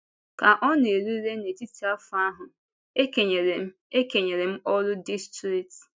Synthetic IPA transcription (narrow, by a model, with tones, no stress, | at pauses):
ka˨ʔɔ˦n˦˨e˨ɾu˦ɾe˦ne˨ti˦ti˦a˦fʊ˨a˦ɦʊ˨ | e˦ke˨ɲe˨ɾe˨m̩˦ | e˦ke˨ɲe˨ɾe˨m̩˦ɔ˦lʊ˦di˦stɾi˨k̚t